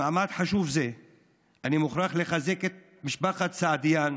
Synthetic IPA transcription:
aʕmad̪ħaʃuvze | animuχɾaχleχazeket̪̚ | miʃbaχat͡saad̪ijan

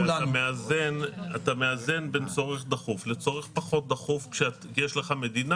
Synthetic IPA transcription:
aameazena̰tame̞aze̞nbent͡so̞ʁeχd̪aχuflet͡so̞ʁeχpaχo̞t̚d̪aχufkʃeat | jeʃleχame̞d̪ina

